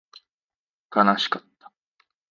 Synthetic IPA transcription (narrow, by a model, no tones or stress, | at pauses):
kanaɕi̥kat̪ːḁ